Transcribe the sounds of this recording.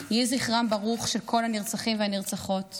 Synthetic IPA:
jiziχʁambaʁuχʃelkʰo̞lhaniʁt͡saχimvehaniʁt͡saχo̞t

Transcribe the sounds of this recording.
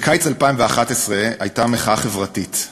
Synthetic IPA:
kʰajt͡salpaimveaχatesʁeajtameχaaχevʁatit

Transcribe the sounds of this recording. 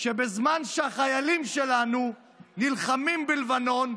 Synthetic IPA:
ʃebezmanʃeaχajalimʃelanu | nilχamimbilvano̞n

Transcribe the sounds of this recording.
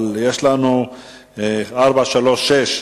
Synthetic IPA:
ljeʃlanu | aʁbaʃalo̞ʃeʃ

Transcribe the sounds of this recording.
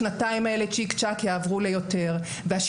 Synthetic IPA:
nataimaelet͡ʃikt͡ʃakjaːvʁulejo̞te̞ʁ | veaʃ

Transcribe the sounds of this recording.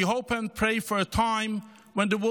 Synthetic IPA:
iɦoʊpɨ̃npʰɹ̥eɪfə˞ɨtʰãɪ̃m | wə̃nðəwʊ

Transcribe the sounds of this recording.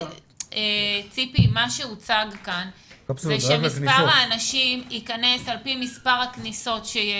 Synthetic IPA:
et͡sipimaʃeut͡saɡkanzeʃemispaʁaːnaʃimikane̞salpimispaʁakniso̞tʃeje

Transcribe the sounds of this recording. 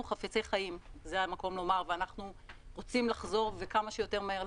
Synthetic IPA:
uχafet͡sejχajimzeamako̞mlo̞maʁveanaχnuʁo̞t͡simlaχzo̞ʁvekamaʃejo̞te̞ʁmaheʁl

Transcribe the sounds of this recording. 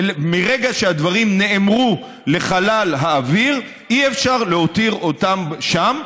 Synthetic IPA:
miʁeɡaʃead̪vaʁimne̞ːmʁu | le̞χalalɦaːviʁ | iefʃaʁlehot̪iʁo̞t̪amʃam

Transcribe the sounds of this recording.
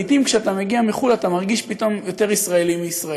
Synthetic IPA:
it̪imkʃeat̪ameɡiamiχulat̪amaʁɡiʃpit̪o̞mjo̞t̪e̞ʁisʁaelimiːsʁa

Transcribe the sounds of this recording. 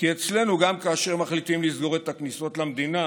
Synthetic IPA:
kie̞t͡sle̞nuɡamkaːʃe̞ʁmaχlit̪imlizɡo̞ʁe̞t̪akniso̞tlamd̪ina

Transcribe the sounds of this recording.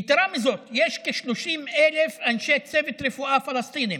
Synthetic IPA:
t̪ɾˤɑmɪzoːt̪jeːʃkaʃluʃiːmʔælefʔanʃeːt̪seːbɪt̪ɾɪfuːʔaːfɑlɑst̪iːni

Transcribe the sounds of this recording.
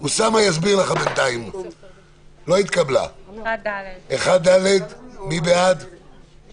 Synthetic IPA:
usamajazbiʁlaχabent̪aim | lo̞it̪kabla̰ | eχad̪̚dːaled̪mibead̪

